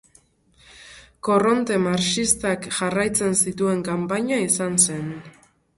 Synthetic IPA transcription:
ko̞ro̞nt̪e̞maɾt͡ʃist̪akʝarajt͡se̞nsit̪ue̞ŋkampaɲaisanse̞n

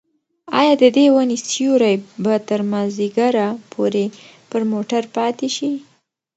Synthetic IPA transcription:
ɑ̰jɑd̪əd̪ewanesjuɾajbat̪əɾmaziɡaɾapʰoɾe | pəɾmoʈaɾpɑt̪eʃi

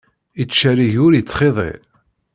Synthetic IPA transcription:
it͡sːʃæɾiʝʊɾjət͡sːχeðˤḛ

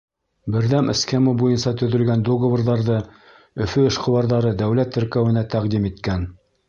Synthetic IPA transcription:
bɘ̆ɾðæmʔɘskemɑbujɤnsɑt̪ɵ̆ðɵ̆lɡænd̪oɡvə̆rðɑɾðɤ | ɵ̆fɵɘ̆ʃqɤ̆wɑɾðɑɾɤd̪æwlæt̪ːɘ̆ɾkæwɘ̆næt̪æqd̪imit̪kæn

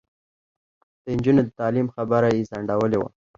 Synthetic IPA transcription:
d̪̥əɪnd͡ʒunod̪ət̪ɑlimxabəɾajezaɳɖawəlewa̰

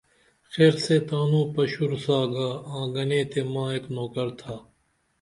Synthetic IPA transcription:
xeːɾseːt̪aːnũːpɐɕuɾsaːɡaːãːɡɐnẽːt̪eːmãːeːknoːkɐɾt̪ʰaː

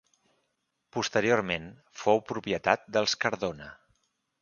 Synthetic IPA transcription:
pust̪əɾioɾmen | fowpɾupiət̪at̪̚d̪əlˠskəɾðonə

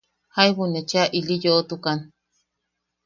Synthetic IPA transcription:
haiβunet͡ʃeaʔilijoʔot̪ukan

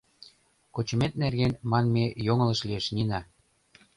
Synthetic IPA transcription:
kot͡ɕə̆met̪̚nerɣenmɑnmejoŋə̆lə̆ʃlieʃninɑ

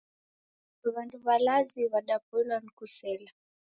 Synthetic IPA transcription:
duβanduβalaziβaɗapɛlankusɛla

